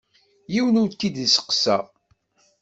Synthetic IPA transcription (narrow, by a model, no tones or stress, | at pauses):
jiwənʊɾt̪ːid̪isə̥qsæ̰